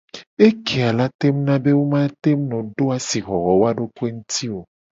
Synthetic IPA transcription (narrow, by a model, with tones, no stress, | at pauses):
e˦kʰe˨a˨la˦t̪e˦m˦nã˦be˦wo˦mã˦t̪e˦m˦nɔ̃˨ɖo˦a˨si˨ɣɔ˨ɣɔ˨wo˦a˦ɖo˦ku˦e˦ŋũ˦t̪ʰi˦wo˨